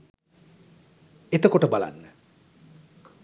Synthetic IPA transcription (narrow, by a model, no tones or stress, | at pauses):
et̪əkoʈəbala̰nːə